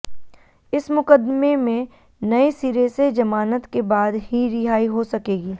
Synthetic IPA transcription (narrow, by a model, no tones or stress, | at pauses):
ɪsmʊkəd̪memẽ | nɐesiːɾesed͡ʒɐmaːnət̪kebaːd̪hiɾɪɦaːiɦosɐkeːɡiː